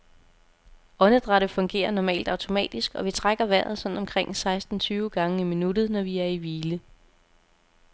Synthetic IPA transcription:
ʔɒ̽nəd̥ʁɑ̈ɾ̥əfɔ̽ŋɡ̥e̝̰ːɐnɒmɛ̰ːld̥ɑ̈ʊt͡sʰo̝mɛ̰ːd̥isɡ̥ɒ̽ʋit͡sʰʁaɡ̥ɐʋæɐ̰ð̞̩ˠsɒ̽nnɒ̽mkʰʁeŋ̰sɑ̈ɪsd̥n̩t͡sʰyːʊɡ̥ɑ̈ŋəiminud̥ð̞̩ˠnɒʋiæɐiʋiːlə

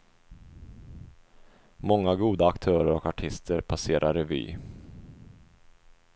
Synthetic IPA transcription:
mɔŋːaɡuːd̪aːkt̪ʰœːɾəɾɔkaʈʰɪst̪ʰəɾpʰaseːɾʔaɾɛvy̰ː

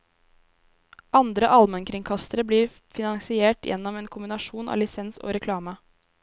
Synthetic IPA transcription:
ɑnd̪ɾəʔɑlmənkʰɾɪŋkʰɑst̪əɾəbliːɾ | fɪnɑŋsɪeːʈjʔɛ̰nːɔmeːnkʰʊmbɪnɑʂuːnʔɑ̰ːlɪsɛnso̰ːɾɛkʰlɑːmə

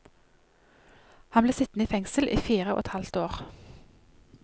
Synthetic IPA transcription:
hɑnbleːsɪt̪n̩iːfɛŋsəlʔḭːfiːʁəo̰ːɛt̪hɑlt̪oːʁ

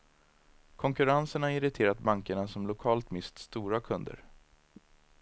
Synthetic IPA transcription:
kʰɔŋkɵɾansəɳaɪɾɪt̪ʰeːɾat̪baŋkəɳasɔmlʊkʰɑːlt̪mɪst̪st̪uːɾakʰɵnd̪ə̰ɾ

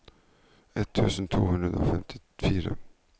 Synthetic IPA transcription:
ɛt̪ʰːʉːsənt̪ʰuːhʉnd̪ɾəd̪ɾo̰ːfɛmt̪ʰɪ̥fiːɾə

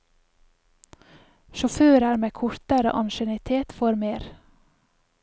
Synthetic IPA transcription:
ʃɔføːɾæːɾmeːkʰʊɾt̪əɾə̰ʔɑnʃɛnɪt̪ʰeːt̪foːɾmeːɾ

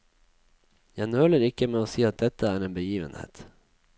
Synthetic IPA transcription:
jænøːləɾɪkəmeːoːsiːɑt̪̚d̪ɛt̪əæːɾeːnbəjiːʋə̰nhḛːt̪

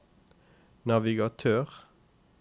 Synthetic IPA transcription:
nɑʋɪɡɑt̪ʰøːʁ

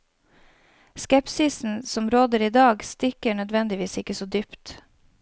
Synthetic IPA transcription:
skɛpsɪsn̩sɔmɾoːd̪əɾiːd̪ɑːɡst̪ɪkəɳœd̪ʋɛnd̪ɪʋiːsɪkəsoːd̪ʏpt̪

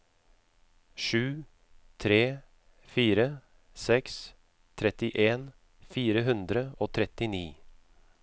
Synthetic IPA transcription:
ʃʉː | t̪ʰɾeː | fiːɾə | sɛks | t̪ʰɾɛt̪ɪʔeːn | fiːɾəɦʉnd̪ɾəoːt̪ʰɾɛt̪ɪniː

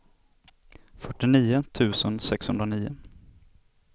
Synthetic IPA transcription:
fœʈːɪniːʊt̪ʰʉ̟ːsənsɛkshɵnd̪ɾaniːʊ

